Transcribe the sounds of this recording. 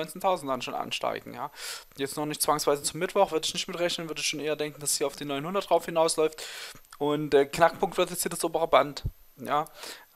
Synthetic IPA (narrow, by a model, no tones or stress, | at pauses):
ɔʏnt͡sentʰaʊzn̩ddanʃoːnʔa̰nʃta̰ɪɡŋ̩jaːjɛt͡stnɔχnɪçtt͡sv̥aŋsv̥aɪzət͡sʊmɪtv̥ɔχv̥ʏɐdəɪçnɪçtmɪtʁɛçnənvʏɐdəɪçʃoːnʔeːɐdɛŋkŋ̩d̥ashiɐaʊfd̥iːnɔʏnhʊndɐtd̥ʁaʊfhɪnaʊslɔʏftʔʊntɛːknakpʰʊŋktv̥ɪɐtjɛt͡shiːɐdasʔoːbəʁəbantjaː